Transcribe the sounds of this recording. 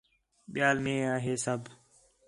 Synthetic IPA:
ɓɪjaːlmẽːaːɦeːsəb

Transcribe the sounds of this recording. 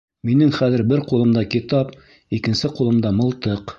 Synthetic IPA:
minɘŋχæðɘ̆ɾbɘɾqulˠɤ̆md̪ɑkit̪ɑp | ikɘ̆nsɘqulˠɤ̆md̪ɑmɤ̆lˠt̪ɤq

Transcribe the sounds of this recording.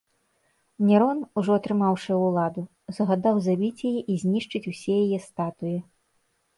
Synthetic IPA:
nʲɛɾɔnuʐɔɐt̪ɾɨmawʂɨwlˠad̪u | zɐɣad̪awzabʲit͡sʲjajɛʔizʲnʲiʂt͡ʂɨt͡sʲusʲɛjajɛst̪at̪ujɛ

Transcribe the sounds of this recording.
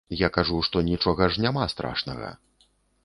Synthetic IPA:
jakaʐuʂt̪ɔnʲit͡ʂɔɣɐʐnʲamast̪ɾa̰ʂnɐ̰ɣɐ̰

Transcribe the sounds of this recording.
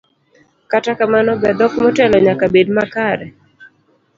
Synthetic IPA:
katakamanɔbɛd̪ɔkmɔtɛlɔɲakabedmakaɾɛ

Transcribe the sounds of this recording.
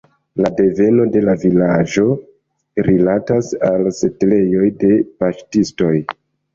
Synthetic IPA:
lade̞ve̞no̞de̞lavilad͡ʒo̞ | ɾilatasalse̞tle̞jo̞jde̞paʃtisto̞j

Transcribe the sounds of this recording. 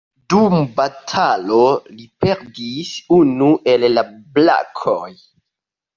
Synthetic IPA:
dumbatʰalo̞lipe̞ɾdisunuʔe̞lːabla̰kʰoj

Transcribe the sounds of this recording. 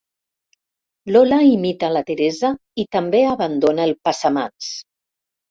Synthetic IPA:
lolaimit̪alat̪eɾeza | it̪ambeaβand̪onaelˠpasama̰ns

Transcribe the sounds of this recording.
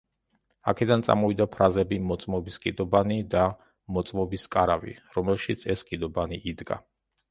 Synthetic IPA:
a̰kʰɛd̪ant̪sʼa̰mɔvid̪apʰɾazɛbimɔt̪sʼmɔbiskʼid̪ɔbanid̪a | mɔt̪sʼmɔbiskʼaɾavḭɾɔmɛlʃit̪sʰɛskʼid̪ɔbaniʔːd̪ɡa̰

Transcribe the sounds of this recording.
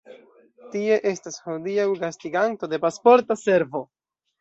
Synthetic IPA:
tie̞ʔe̞stashodiawɡastiɡanto̞de̞paspo̞ɾtase̞ɾvo̞

